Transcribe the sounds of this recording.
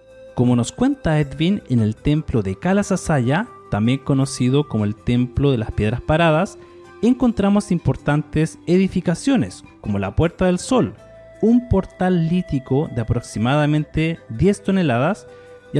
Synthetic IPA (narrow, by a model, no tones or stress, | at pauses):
komo̞no̞skwe̞nt̪aed̪vinenelt̪e̞mploðekalasasaʝa | t̪ambje̞ŋko̞no̞siðokomoelt̪emploðe̞laspje̞ð̞ɾaspaɾaðas | eŋko̞nt̪ɾamosimpo̞ɾt̪ant̪eseðifikasjo̞nes | ko̞mo̞la̰pwe̞ɾt̪aðe̞lso̞l | umpo̞ɾt̪alːit̪ikoðeapɾo̞ksimaðamẽ̞nt̪eðje̞st̪o̞ne̞laðas